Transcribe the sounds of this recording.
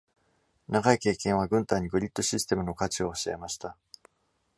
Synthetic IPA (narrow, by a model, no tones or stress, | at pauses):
naɡaike̞ːkẽɰ̃aɡɯ̟̃nt̪aiɲ̟iɡɯ̟ɾʲit̪ːo̞ɕisɨ̥t̪e̞mɯ̟no̞kat͡ɕioːɕia̰emaɕi̥t̪a